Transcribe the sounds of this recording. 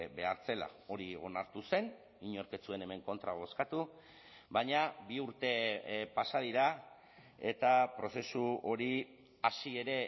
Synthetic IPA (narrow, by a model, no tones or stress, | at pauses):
be̞aɾt͡se̞la̰o̞ɾio̞naɾt̪use̞n | iɲo̞ɾke̞t͡sue̞ne̞me̞ŋko̞nt̪ɾaβo̞skat̪u | βaɲabiuɾt̪e̞pasað̞iɾa | e̞t̪apɾo̞se̞suo̞ɾi | asie̞ɾe̞